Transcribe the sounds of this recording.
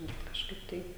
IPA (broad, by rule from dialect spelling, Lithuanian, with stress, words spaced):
bʲɛt kɐʃˈkɐɪp tɐɪ